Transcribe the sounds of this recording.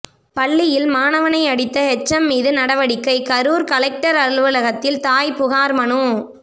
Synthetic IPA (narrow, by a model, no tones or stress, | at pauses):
pɐɭːɪjɪlmaːnɐʋɐnɐɪɐɽɪt̪ːɐɦɛt͡ʃːɐmːiːðɯnɐɽɐʋɐɽɪkːɐɪkɐɾuːɾkɐlɛk̚ʈɐɾɐɾɯɭʋɯlɐɣɐt̪ːɪlt̪aːjpʊɣaːɾmɐɳɯ